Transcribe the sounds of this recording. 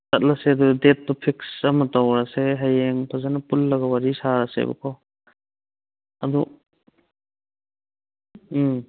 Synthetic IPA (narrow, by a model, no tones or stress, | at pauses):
sɐt̚lasedudet̚ːɔpʰiksamatawɾaseɦajeŋpʰazanapulːɐɡɐwaɾisaɾasḛba̰kʰaw | ɐ̰d̪u